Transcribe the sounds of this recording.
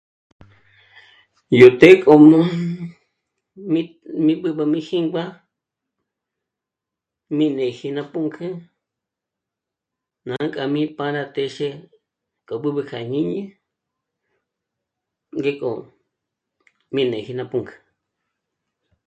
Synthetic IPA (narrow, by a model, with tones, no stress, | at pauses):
ju˨t̪e˦kʼo˨mõ˦ | ĩ˦ | mĩ˦ɓɨ˧ɓa˧mĩ˦hĩ˦ŋɡ͡ba˦ | mĩ˧˨nẽ˨hi˧nã˧pu˦ŋkʰɨ̃˦ | nã˨˦kʼa˧mĩ˦pã˧ɾa˧t̪e˧ʃe˦ | kʼo˨ɓɨ˦ɓɨ˧kʰa˨ɲĩ˦ɲĩ˦ | ŋɡe˦kʼo̰˨ | mĩ˧nẽ˨hi˧nã˧pu˧ŋkʰɨ̥˧